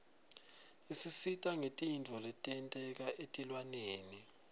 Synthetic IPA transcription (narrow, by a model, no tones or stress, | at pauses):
isisitʼaŋetʼint͡fɔlɛtʼɛntʼɛk̬aʔetʼilwaneːni